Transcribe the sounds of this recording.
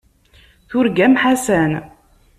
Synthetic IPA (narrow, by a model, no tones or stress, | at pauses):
θʊɾɡæmħasæn